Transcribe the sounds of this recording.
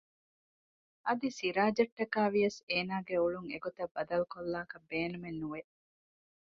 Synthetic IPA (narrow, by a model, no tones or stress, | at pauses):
ʔɐd̪isiɾaːd͡ʒɐʈːɐkaːʋijɐseːnaːɡeuɭuŋḛɡot̪ɐbːɐd̪ɐlukolːaːkɐbːeːnumenːuʋe